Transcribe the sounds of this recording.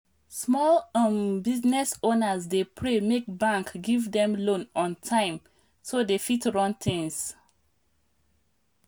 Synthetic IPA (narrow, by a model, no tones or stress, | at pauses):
smɔlambiznɛsonəzdepʰɹemek̚bãŋkɡivdɛ̃mlõnɔ̃ntʰãɪ̃m | sodefitɹɔ̃ntʰɛ̃ŋs